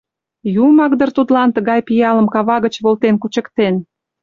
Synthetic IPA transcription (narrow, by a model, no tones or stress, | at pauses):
jumɑkd̪ərt̪ut̪lɑnt̪əɣɑjpijɑləmkɑβɑɣə̆t͡ɕβolt̪enkut͡ɕə̆kt̪en